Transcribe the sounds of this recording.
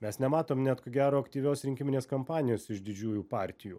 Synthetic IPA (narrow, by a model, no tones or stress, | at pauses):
mʲɛsnʲɛmɑːt̪oːmnʲɛt̪koːɡʲæːɾoːɐkt̪ʲiːʋʲoːsɾʲɪŋʲkʲɪmʲɪnʲeːskɐmpɑːnʲɪjoːsɪʃd̪ʲɪd͡ʒʲuːjuːpɑːɾʲt̪ʲɪjuː